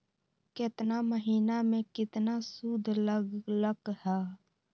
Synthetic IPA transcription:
kɪt̪naməɦiːnamẽkɪt̪nasuːd̪ʱləɡləkhɛː

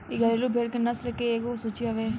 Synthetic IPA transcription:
iɡʱɐɾelubʱeːɽkenɐslekeeːɡosut͡ʃiɐʋe

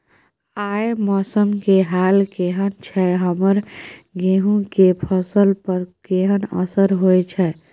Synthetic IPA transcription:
ajmɔsəmkeɦalkeɦənt͡ʃʰɛɦəməɾɡeɦũkepʰəsəlpəɾkeɦənə̰səɾɦojt͡ʃʰɛ

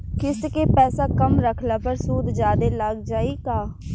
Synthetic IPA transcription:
kɪskeːpɛːsaːkəmɾəkʰlaːpəɾsuːd̪d͡ʒjaːd̪eːlaɡd͡ʒaːiːkaː

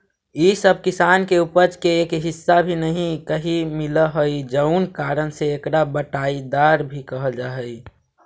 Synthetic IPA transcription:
isəb̚ʱkɪsaːnkeupəɾt͡ʃkeeːkɦɪsːabʱinəɦĩkəɦimɪləɦoid͡ʒəʊnkaːɾənseekɽabəʈaid̪aːɾbʱikəɦəld͡ʒaːɦəi

